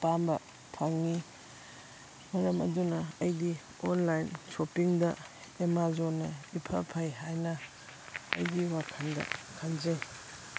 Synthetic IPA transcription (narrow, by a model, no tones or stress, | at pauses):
pambɐ | pʰaŋːi | mɐɾɐmɐ̰dunɐɐjdi | onlajnsopiŋdɐ | emazonɐipʰɐpʰɐjɦajnɐ | ɐ̰jdiwakʰɐndɐ̰kʰanzɐj